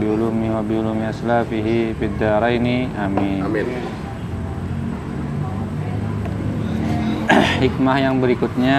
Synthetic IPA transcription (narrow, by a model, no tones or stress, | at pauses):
biulumiwabiulumiaslafiɦifid̪aɾainiamim | hik̚mahjaŋbəɾikʊt̪̚ɲa